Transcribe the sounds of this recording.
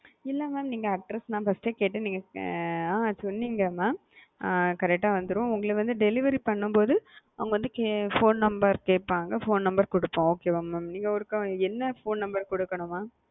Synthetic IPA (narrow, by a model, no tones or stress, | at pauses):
ɪlːɐmaːmniːŋɡɐɐk̚ʈɾɛsnãːfɐsʈeːkeːʈːɯniːŋɡɐãːsʊnːiŋɡɐmaː | kɐɾɛk̚ʈːaːʋɐnd̪ɯɾʊ̃ʊŋɡɐɭɯʋɐnd̪ɯɖɛlɪʋɐɾipɐɳːɯmpoːðɯɐʋʊŋɡɐʋɐnd̪ɯkefoːnnɐmbɐɾkeːpːaːŋɡɐfoːnnɐmbɐɾkɔɽɯpːõːoːkeːmaːmːaːmniːŋɡɐɔɾɯkːɐɛnːɐfoːnnɐmbɐɾkɔɽɯkːɐɳʊ̃mːaː